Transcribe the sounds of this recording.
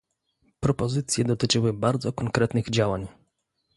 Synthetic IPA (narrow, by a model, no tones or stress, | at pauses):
pɾɔpɔzɘt̪sʲjɛd̪ɔt̪ɘt͡ʂɘwɘbaɾd̪zɔkɔŋkɾɛt̪nɘɣd͡ʑawaɲ